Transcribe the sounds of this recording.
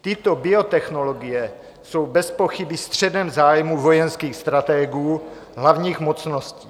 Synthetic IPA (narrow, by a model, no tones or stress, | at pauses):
t̪ɪt̪o̞bɪo̞t̪ɛxno̞loɡɪjɛ | so̞wbɛspo̞xɪbɪst̪r̝̥ɛdɛmzaːjmuvo̞jɛnskiːxst̪ɾat̪ɛɡuː | ɦlavɲiːxmot͡sno̞sciː